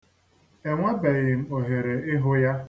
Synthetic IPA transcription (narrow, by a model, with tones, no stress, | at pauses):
e˨ŋʷa˦be˨ɣɪ˨m̩˦o˨ɦe˨ɾe˨ɪ˦ɦʊ˦ja˦